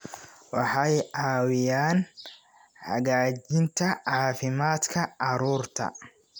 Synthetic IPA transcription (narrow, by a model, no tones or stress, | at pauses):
wɑħɑjʔaːwɪjaːn | ħɐ̰ɡaːd͡ʒɪnt̪ʰɐʕɑːfɪmaːd̪kʰɐʔɑɾuːrt̪ʰɐ̰